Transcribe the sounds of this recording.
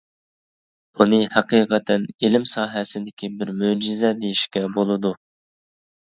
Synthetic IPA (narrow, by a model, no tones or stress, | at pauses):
unɨhæqiːqʰət̪ʰɛnelɪmsɑːɦɛsɪd̪ɪkʲʰibɪɾmød͡ʒɪzɛd̪ejiʃkʲɛbolˠɨd̪u